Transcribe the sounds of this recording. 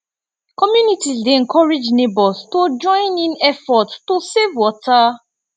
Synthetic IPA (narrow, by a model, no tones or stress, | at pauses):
kɔmjunitizdeŋ̩kɔɹed͡ʒnebɔstod͡ʒɔ̃ɪ̃nĩnɛfɔttosevwɔta